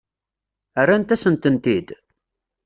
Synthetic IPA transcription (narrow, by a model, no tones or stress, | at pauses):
ərːant̪æsənt̪ənt̪id̪